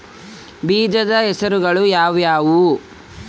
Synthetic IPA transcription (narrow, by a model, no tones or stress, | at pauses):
biːd͡ʒ̪ɐd̪ɐɦɛsɐɾuɡɐɭujaːʋjaːʋu